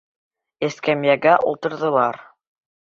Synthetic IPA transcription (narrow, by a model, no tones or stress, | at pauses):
ɘ̆skæmjæɡæʔṵlˠt̪ɤ̆ɾðɤ̆lˠɑɾ